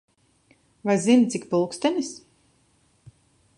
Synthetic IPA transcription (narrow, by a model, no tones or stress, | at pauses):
vajzint̪sikpulˠkst̪ɛnis